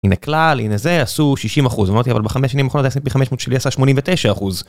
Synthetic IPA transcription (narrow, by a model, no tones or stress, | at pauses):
ineklalinezeasuʃiʃimaχuzamaʁt̪iavalbeχameʃanimaχonozasipiχameʃmoːt̪ʃeliasaʃmo̞nimvet̪eʃaːχuz